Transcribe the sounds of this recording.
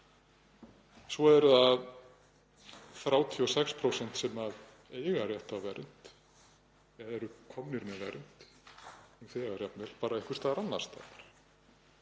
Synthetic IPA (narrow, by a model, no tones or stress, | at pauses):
sɔɛɾðað | θɾaːwt̪ʰiɔsɛkspʰɾowsɛn̥t̪sɛmað | eːjɣarjɛht̪awvɛɾʔʏn̥t̪ | ɛðɛɾʏkʰɔmnɪɾmɛðvɛ̰ɾʏn̥t̪ | θɛɣarjɛt̪mɛl̥paːɾaɛhkʏ̥ɾ̥t̪aðɾanːaɾ̥st̪a̰ɾ̥